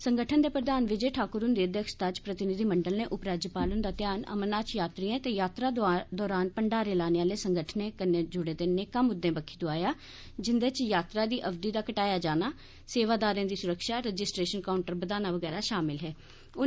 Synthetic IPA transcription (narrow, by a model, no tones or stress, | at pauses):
səŋɡəʈʰənd̪eːpɾəd̪aːnʋɪd͡ʒeːʈʰaːkʊɾʊnd̪iːəd̪jəkʃt̪at͡ʃpɾət̪ɪnɪd̪ʱiːməɳɖəlneːʔʊpɾaːd͡ʒəpaːlənd̪aːt̪ɪjaːnə̰mənaːt͡ʃjaːt̪ɾiːãːt̪ejaːt̪ɾaːd̪ɔːɾaːnpəɳɖaːɾeːlaːneaːleːsəŋɡəʈʰnẽːkəneːd͡ʒʊɽeːd̪enːẽːkəmʊd̪ːẽːbəkʰiːd̪ʊaːjaː | d͡ʒɪnd̪eːt͡ʃjaːt̪ɾaːd̪iːʔəʋd̪iːd̪aːkəʈaːjaːd͡ʒaːnaː | seːʋaːd̪aːɾẽːd̪iːsʊɾəkʃaːɾɛd͡ʒɪsʈɾeːʃənkaːʊɳʈəɾbəd̪aːnaːʋəɡɛːɾaːʃaːmɪlɦɛː | ʊ